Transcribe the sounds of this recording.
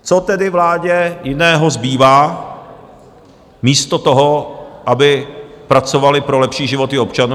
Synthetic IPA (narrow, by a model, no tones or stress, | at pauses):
t͡sot̪ɛdɪvlaːɟɛjɪnɛːɦo̞zbiːvaː | miːst̪ot̪oɦoʔabɪpɾat͡sovalɪpɾo̞lɛpʃiːʒɪvo̞t̪ɪo̞pt͡ʃanu